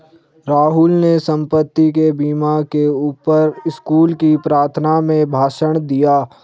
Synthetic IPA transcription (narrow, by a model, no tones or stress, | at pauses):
ɾaːɦʊlnesə̃mpət̪ːikebiːmakeuːpəɾɪskuːlkipɾaːɾt̪ʰənamẽbʱaːʃəɽ̃d̪ijaː